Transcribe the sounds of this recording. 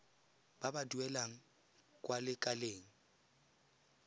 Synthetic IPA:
b̥abaduɛlaŋ̩ | kʼwalɪkʼaleːŋ̩

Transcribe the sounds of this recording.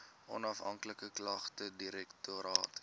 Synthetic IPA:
ʔɔ̰nɐfɦɐ̰ŋkləkəklɐχtədiɾɛktoɾɑ̰ːt

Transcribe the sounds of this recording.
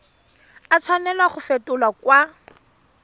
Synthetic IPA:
at͡sʰwanɛlaχʊfetʊlakwa

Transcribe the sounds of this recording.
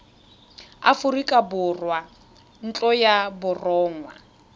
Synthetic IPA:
a̰fʊrikʼabʊrwa | n̩t͡ɬʼɔjabʊrɔːŋwa̰

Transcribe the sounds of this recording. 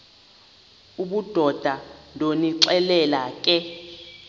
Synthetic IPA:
uɓud̥ʱɔd̥ʱaloniǀɛlɛlakʼɛ

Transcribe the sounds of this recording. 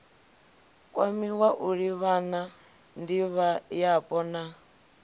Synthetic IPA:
kʼwamiwaʔuɺiβana | ndiβajapʼɔna

